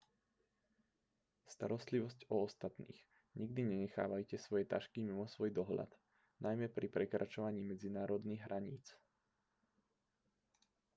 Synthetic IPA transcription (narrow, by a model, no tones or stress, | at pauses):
st̪a̰ɾɔst̪liʋɔscɔːst̪at̪nḭːɣ | ɲiɡ̚d̪iɲɛɲɛxa̰ːʋajcɛsʋɔjɛt̪aʃkimimɔsʋɔjd̪ɔɦʎa̰d̪ | nʔajmɛpɾʔipɾɛkɾat͡ʃɔʋaɲiːmɛd͡zinaːɾɔd̪niːɣɦɾʔaɲḭːt͡s